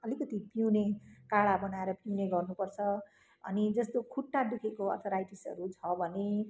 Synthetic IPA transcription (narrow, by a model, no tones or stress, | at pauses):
ʌlikʌt̪ipiwnekaɽabʌnaeɾʌpiwneɡʌrnupʌrt͡sʰʌ | ʌ̰nid͡zʌst̪okʰuʈːad̪ukʰekoʌ̰t̪ʰʌɾajʈisʌ̰ɾut͡sʰʌbʱʌne